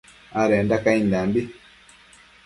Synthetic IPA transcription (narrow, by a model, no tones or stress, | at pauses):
aɾɛndakaindambi